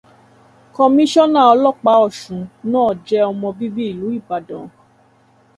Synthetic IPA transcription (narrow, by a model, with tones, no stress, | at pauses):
kɔ˧mĩ˦ʃɔ˦nã˦˨ɔ˧lɔ˦k͡pa˨˦ɔ˦˨ʃũ˨˦nãː˦˨d͡ʒɛ˦ɔ˧mɔ̃˧bi˦bi˦i˦˨lu˨˦i˦˨ba˨dɔ̃˨